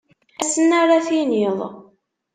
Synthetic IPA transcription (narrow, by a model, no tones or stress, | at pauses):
æsənːaɾaθiniðˤ